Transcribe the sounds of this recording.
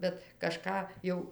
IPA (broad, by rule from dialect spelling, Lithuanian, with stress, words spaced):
bʲɛt ˈkɑːʃkɑː ˈjɛʊ